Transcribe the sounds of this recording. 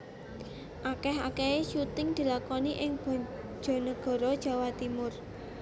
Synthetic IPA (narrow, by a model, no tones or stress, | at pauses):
ʔakɛɦakeeʃut̪ɪŋd̪̥i̤lakɔniʔɪŋb̥ɔ̤̥ | ʒ̥ɔ̤nəɡ̥ɔ̤ɾɔd̥ʒ̥a̤wat̪imʊr